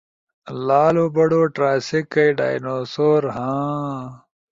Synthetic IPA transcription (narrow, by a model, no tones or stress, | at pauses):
laːlobɐɽoːʈɾaːsikːɐjɖa̰ːjnoːsoːɾɦãː